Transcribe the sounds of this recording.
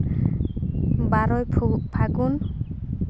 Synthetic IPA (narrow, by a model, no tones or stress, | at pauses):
baɾɔjpʰupʰaɡun